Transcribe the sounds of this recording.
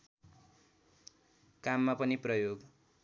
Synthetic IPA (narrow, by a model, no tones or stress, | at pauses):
kamːapʌniprʌjoɡ